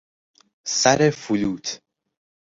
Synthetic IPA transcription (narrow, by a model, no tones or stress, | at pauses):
sæɾefuluːt̪ʰ